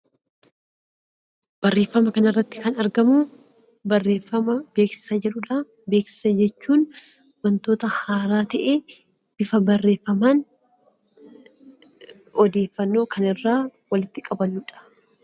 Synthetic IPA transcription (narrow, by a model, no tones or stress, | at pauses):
b̥ɐrːe̞ːfːɐmɐkɐnɪrːɐt̪ːɪ̥kɐnɐɾɡɐmʊ | bɐrːeːfɐmɐbe̞ːksɪ̥sɐd͡ʒɛᶑʊᶑa | be̞ːksɪ̥sɐd͡ʒɛt͡ʃːuːn | wɐnt̪oːt̪ɐhaːɾaːt̪ɐʔeː | b̥ɪfɐbɐrːe̞ːfːɐmaːn | ɔd̪e̞ːfːɐnːo̞ːkʰɐnɪrːaːwɐlɪt̪ːɪkʼɐbɐnuːᶑɐ̥